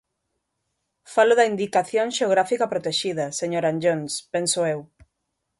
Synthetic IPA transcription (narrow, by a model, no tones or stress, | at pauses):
falʊðɐind̪ikaθjoŋʃeoɣɾafikɐpɾot̪eʃiðɐseɲoɾand͡ʒonspensʊew